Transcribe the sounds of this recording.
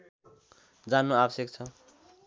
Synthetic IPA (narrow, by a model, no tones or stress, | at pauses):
d͡zanuabʌsjek̚t͡sʰʌ